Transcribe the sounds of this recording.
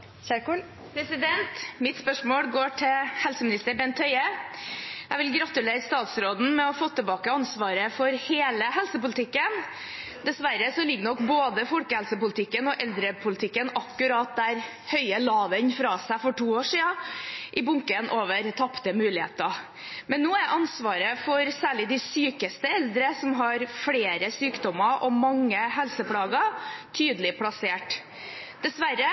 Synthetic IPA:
çæːku | pʰɾɛsɪd̪ɛnt̪mɪt̪spœʂmoːlɡoːʈʰɪhɛlsəmɪnɪst̪əɾbɛnt̪hœʏə | jæɪʋɪlɡɾɑt̪ʉleːɾəst̪ɑːt̪sɾoːd̪n̩mɛɔfoːt̪ʰəbɑːkəɑnsʋɑːɾəfɔɾheːləɦɛlsəpʊlɪt̪ʰɪkːən | d̪ɛsʋæɾəsɔlɪɡːəɳɔkboːd̪əfɔlkəhɛlsəpʊlɪt̪ʰɪkːənɔʔɛld̪ɾəpʰʊlɪt̪ɪkːənɑkːʉɾɑt̪̚d̪æɾ | hœʏəlɑːʋənfɾɑːsæfɔʈuːoːʂiːɑʔɪbʊŋkənʔoːʋəɾt̪ʰɑpt̪əmʉːlɪḛːt̪ə | mɛnːuːæʔɑnsʋɑːɾəfɔɾsæːɭɪd̪ɪsyːkəst̪əɛld̪ɾəsɔmɦɑɾfɽeːɾəsyːkd̪ɔməɾʔɔmɑŋːəɦɛlsəpʰlɑːɡət̪ʰyːd̪əlɪpʰlɑseːʈ | d̪ɛsʋæɾə

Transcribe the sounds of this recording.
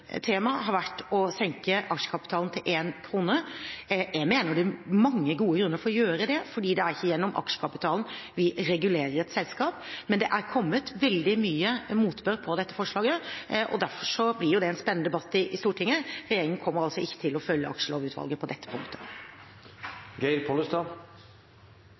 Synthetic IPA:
t̪ʰeːmɑɦɑɾʋæʈːɔsɛŋkəʔɑkʂə̥kʰɑpɪt̪ʰɑːln̩t̪ʰɪlʔeːnkʰɾuːnə | ɛmeːnəɖʉmɑŋːəɡuːəɡɾʉnːəɾfɔɾɔjøːɾəd̪ɛfɔɖiːd̪ɛæɾɪçːəjɛnːɔmʔɑ̰kʂə̥kʰɑpɪt̪ʰɑːln̩ʋɪɾɛɡʉleːɾəɾɛt̪sɛlskɑːpmɛnd̪ɛʔæɾkʰɔmːət̪ʋɛld̪ɪmyːəmuːt̪bøɾpʰɔd̪ɛt̪ːə̥fɔʂɭɑːɡəʔɔ̰d̪æɾfɔʂɔblɪɾjʊd̪ɛɛnspɛnːd̪ɛbɑt̪ːɪʔɪst̪uːʈʰɪŋːəɾɛjeːɾɪŋən̩kʰɔmːəɾɑlsɔɪçːə̥t̪ʰɪlɔfœljːəɑkʂəloːʋʉːt̪ʋɑ̰lɡəpʰɔd̪ɛt̪ːə̥pʰʊ̰ŋt̪ʰə̥ | ɡɛɪɾpʰoləst̪ɑː

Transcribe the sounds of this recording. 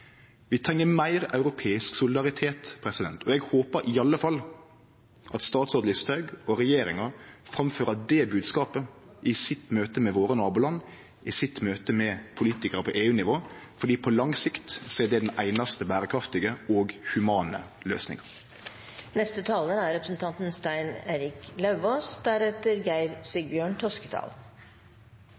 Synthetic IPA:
ʋɪt̪ʰɾɛŋːəmæɪɾɑʉɾʊpʰeːɪsksʊlɪd̪ɑɾɪt̪ʰeːt̪pʰɾɛsɪd̪ɛ̰nt̪ʰɔɛɡhoːpəɾʔɪɑlːəfɑlː | ʔɑt̪st̪ɑːt̪sɔːd̪ɪst̪ʰɑʉɡɔɾɛjeːɾɪŋɑfɾɑmføːɾəd̪ɛbʉːd̪skɑːpə | ʔɪsɪt̪møːt̪əmɛʋoːɾənɑːbʊlɑnː | ʔɪsɪt̪møːt̪əmɛpʰʊliːt̪ɪkəɾəpʰɔʔeːʉːnɪʋoːfɔɖiːpʰɔlɑŋsɪkt̪seːd̪ɛd̪ɛnʔæɪnɑst̪əbæːɾəkʰɾɑft̪ɪɡəoːɡhʉmɑːnə̰ | lø̰ːsnɪ̰ŋɑ | nɛst̪ət̪ʰɑːləæɾɾɛpɾə̥sn̩t̪ʰɑnt̪n̩st̪æɪneːɾɪklɑʉʋoːsd̪æɾɛt̪əɾɡæɪɾsɪɡbjøːɳt̪ʰɔskət̪ʰɑ̰ːl

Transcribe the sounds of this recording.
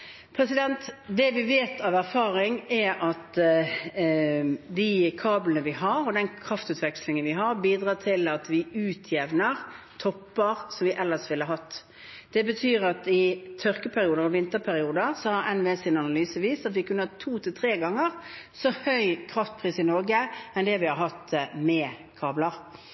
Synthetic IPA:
pʰɾɛsɪd̪ɛnt̪d̪ɛʋɪʋeːt̪ɑʋæɾfɑːɾɪŋɛɾɑt̪ | d̪ɪkʰɑːblənəʋɪɦɑɾɔd̪ɛnkʰɾɑft̪ʉːt̪ʋɛkslɪŋənʋɪɦɑɾbiːd̪ʁɑːt̪ʰɪlɑt̪ʋɪʉːt̪ʰjɛʋnəʁt̪ʰɔpːəʁsɔmʋɪʔɛlːəsʋɪlːəɦɑt̪ː | d̪̥ɛbət̪ʰyːɾɑt̪ɪt̪ʰœʁkəpʰæɾɪuːd̪əɾɔʋɪnt̪əɾpʰæɾɪuːd̪əʁsɔhɑɾɛnʋeːsɪnɑnɑlyːsəʋiːst̪ɑt̪ʋɪkʉnːəhɑt̪ʰːuːt̪ʰɪlt̪ʰɾeːɡɑŋːəʁsɔhœʏkʰɾɑft̪̚pʰʁiːsɪnɔɾɡəɛnd̪ɛʋɪhɑɾhɑt̪ːmɛkʰɑːbləɾ

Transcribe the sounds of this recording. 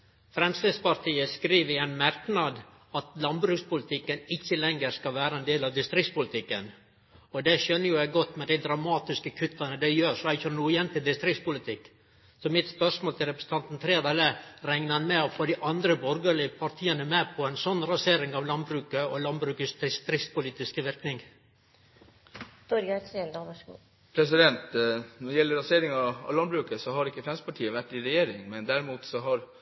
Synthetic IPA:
fɾɛmslespɑɾʈʰiːəskɾiːʋəɾɪɛɪnmæɾknɑd̪ | ɑt̪lɑnbɾʉːkspʊlɪt̪ʰɪkːənɪçːəlɛŋːəɾskɑʋæːɾəɛnd̪eːlɑʋd̪ɪst̪ɾɪkspʊlɪt̪ʰɪkːə̰n | ɔd̪ɛʃœnːəjʊæɪɡɔt̪ːmɛd̪æɪd̪ɾɑmɑːt̪ɪskəkʰʉt̪ːɑnəd̪æɪjøːɾʂɔæçɔnuːəjɛnt̪ʰɪld̪ɪst̪ɾɪkspʊlɪt̪ʰɪkː | sɔmɪt̪spœʂmoːlt̪ʰɪlɾɛpɾə̥sə̥nt̪ʰɑnt̪n̩t̪ʰɾeːd̪ɛləɾɛŋnəɑnmɛɔfoːd̪ɪʔɑnd̪ɾəbɔɾɡəɭɪəpʰɑɾʈ̪ʰiːənəmeːpʰɔɛɪnsɔnːɾɑseːɾɪŋɑʋlɑnbɾʉːkəɔlɑnbɾʉːkəsd̪ɪst̪ɾɪkspʊliːt̪ɪskəʋɪɾknɪŋ | t̪ɔɾɑt̪ɾend̪ɑʋɑʂɡṵː | pʰɾɛs̬ɪd̪ɛnt̪nɔɖjɛlːəɾɑseːɾɪŋɑɑ̰ʋlɑnbɾʉːkəsɔhɑɾɪkːəfɾɛmspʰɑʈʰiːəʋæʈːɪɾɛjeːɾɪŋmɛnd̪æɾmuːt̪sɔɦɑɾ

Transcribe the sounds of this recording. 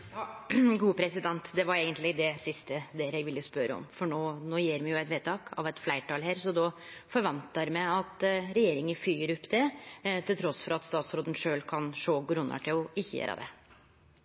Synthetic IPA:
ɑɡuːəpʰɾɛsɪd̪ɛnt̪d̪ɛʋɑɾeːɡənt̪lɪd̪ɛsɪst̪əd̪ɛɾɛɡʋɪlːəspœɾəɔ̰mfɔɳoːnoːjeːɾmɛjʊæɪt̪ʋeːt̪ʰɑːkʰɑ̰ʋɛt̪flæɪʈɑlɦæːɾsɔd̪ɔfɔɾʋɑnt̪əɾmɛɑt̪ɾɛjeːɾɪŋənfyːəɾʉpːd̪ɛt̪ʰɪlt̪ʰɾɔsːfɔɾɑt̪st̪ɑːt̪sɾoːd̪ən̩ʂøːlkʰɑnʂoːɡɾʉnːɑ̰ʈʰɪlɔɪçːəjḛːɾʔə̰d̪ɛ̰

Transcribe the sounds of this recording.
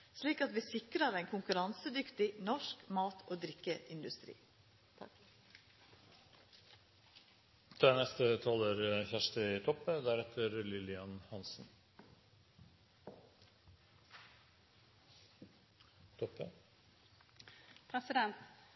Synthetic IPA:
sliːkɑt̪ʋiːsɪkɾəɾæɪŋkʰʊŋkʉɾɑnsəd̪ʏkt̪ɪnɔʂkmɑːt̪ʰoːd̪ɾɪkːəʔɪnd̪ʉst̪ɾḭː | t̪ʰɾɛnɛst̪ət̪ʰɑːləɾçæʂtəɪt̪ʰɔpːəd̪æɾɛt̪ʰəɾlɪlɪɑnhɑnsn | t̪ʰɔpːə | pʰɾɛsɪd̪ɛnt̪

